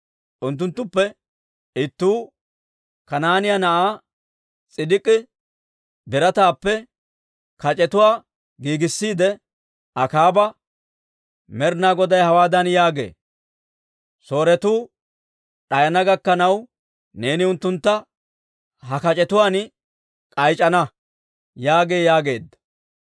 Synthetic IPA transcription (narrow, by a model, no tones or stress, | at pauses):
ʔʊnt̪ːʊnt̪ːʊpːɛ | ɪt̪ːuː | kɐnaːnɪjɐnɐʔaː | t͡sʼɪd̪ɪkʼːɪ | bɪɾɐt̪aːpːɛ | kɐt͡ʃʼɛt̪ʊwaː | ɡiːɡɪsːiːd̪ɛ | ʔɐkaːbɐ | mɛɾnaːɡɔd̪ɐjhɐwaːd̪ɐnjaːɡe̞̰ː | so̞ːɾɛt̪uː | ɗɐjɐnɐɡɐkːɐnɐw | ne̞ːnɪʊnt̪ːʊnt̪ːɐ | hɐkɐt͡ʃʼɛt̪ʊwaːn | kʼɐjt͡ʃʼɐnɐ | jaːɡeːjaːɡe̞ːd̪ːɐ̥